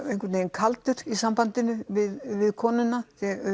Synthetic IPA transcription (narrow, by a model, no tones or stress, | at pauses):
ejŋkvɪt̪neːjnkʰalt̪ʏɾ̥isampant̪ɪnːʏvɪðvɪðkʰɔːnʏnːaθɛ